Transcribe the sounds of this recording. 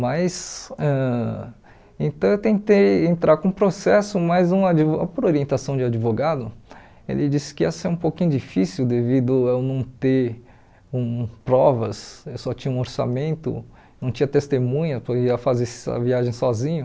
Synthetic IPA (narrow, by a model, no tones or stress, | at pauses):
mɐsɛ | ẽt̪ɐ̃w̃ewt̪ẽt̪ejẽnt̪ɾʔaɾkõũpɾosɛsʊmɐjzũad͡ʒivoa̰poɾoɾiẽnt̪asɐ̃w̃d͡ʒɪad͡ʒivoɡad̪ʊ | ḛlʔɪd͡ʒisɪ̥kɪɛsɛũpokĩɲʊd͡ʒifisiwd̪evid̪ʊewnɐ̃w̃t̪e | ũpɾɔvɐsewsɔt͡ʃĩɲɐũoɾsa̰mẽnt̪ʊ̰ | nɐ̃w̃t͡ʃĩɐt̪est̪emũɲɐpɐiɐfazesɐ̰viaʒẽj̃sɔzĩɲɐ